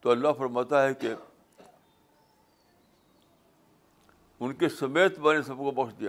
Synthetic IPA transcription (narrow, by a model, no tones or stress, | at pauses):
t̪oɐlːaɦfɐɾmaːt̪aɦɛke | ʊnkesɐmeːt̪manesɐb̚kobɐkʃd̪ija